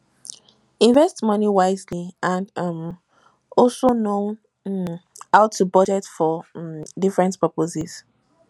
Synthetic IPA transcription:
ĩɱvɛstmʌniwaɪzliãndʌm | ʔɔlsono | aʊtʰːubʌd͡ʒɛtfɔdifɹɛ̃ntpʰəpozɛz̥

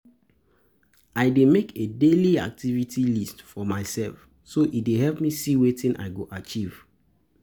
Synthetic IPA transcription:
aɪdemekʰedelia̰k̚tʰivitʰilistfɔmaɪsɛlf | soʔideɦɛlpmisiwetĩnʔa̰ɪɡoʔat͡ʃiv̥

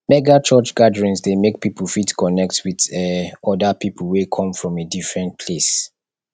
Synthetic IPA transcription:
mɛɡat͡ʃɔt͡ʃɡ̥adəɹĩnsdemek̚pipʰəl̩fitkʰɔnɛk̚twiðɛɔdapipʰəl̩wekʰɔ̃mfɹɔ̃medifɹɛ̃nt̚pʰles

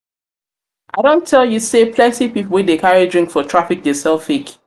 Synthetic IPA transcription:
ʔaɪɾõntʰːɛlˠjusepʰlɛ̃ntipipl̩ˠwĩdekʰaɹidɹɪ̃ŋkfɔtʰɹ̥afɪk̚desɛlˠfik

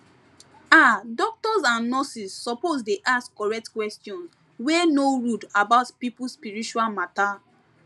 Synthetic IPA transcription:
adɔk̚tɔzãnːɔsisːɔpozdeʔaskkɔɹɛk̚tkwɛstjɔ̃ns | wenoɹudabaʊtpipuspiɹit͡ʃualmata

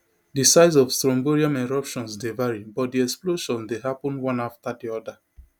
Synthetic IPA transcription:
disaɪz̬ɔvstɹɔ̃mboɹiãmɛɹɔpʃɔ̃nsdevaɹibɔt̚diɛksploʃɔ̃ndeɦapɔ̃nwɔ̃naftadiɔda

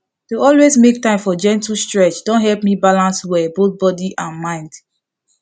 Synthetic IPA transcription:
teɔlwezmek̚tãɪ̃mfɔd͡ʒɛ̃ntustɹɛt͡ʃdɔ̃nɦɛlpmibalãnswɛboθ̚bɔdiʔãnmãɪ̃nd

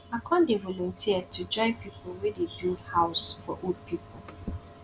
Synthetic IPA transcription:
akʰɔ̃ndevɔlɔ̃ntʰiətʰud͡ʒɔ̃ɪ̃piplwedebihaʊsfɔʔod̚pipʰol̩

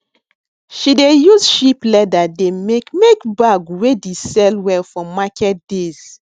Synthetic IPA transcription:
ʃidejuzʃiplɛdademekmekbaɡwedesɛlwɛlfɔmakɛt̚dez̥

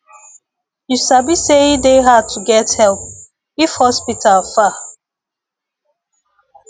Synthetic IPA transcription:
jusabiseideɦatʰuɡɛthɛlp | ifhɔspitʰalfa

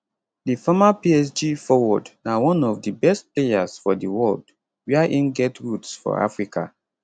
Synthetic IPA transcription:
difɔmapiɛsd͡ʒifɔwɔdnawɔ̃nɔvdibɛst̚plejaz̥fɔdəwɔld | wiaʔĩnɡɛtɹutsfɔ̰a̰fɹika̰

